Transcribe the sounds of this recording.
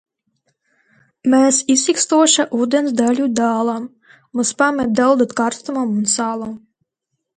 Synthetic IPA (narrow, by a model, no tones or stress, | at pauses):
mɛːsisikst̪uɔʃaʔuːd̪ʲɛnsd̪alʲud̪aːlˠam | muspamʲɛt̪̚d̪ɛlˠd̪ut̪kaɾst̪umamunsaːlˠam